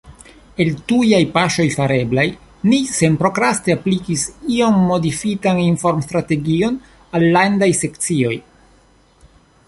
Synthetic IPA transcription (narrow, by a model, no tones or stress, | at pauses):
e̞ltujajpaʃo̞jfaɾe̞blaj | nise̞npɾo̞kɾaste̞aplikisio̞mːo̞difitaninfo̞ɾmst̪ɾate̞ɡio̞n | alːandajse̞kt͡sio̞j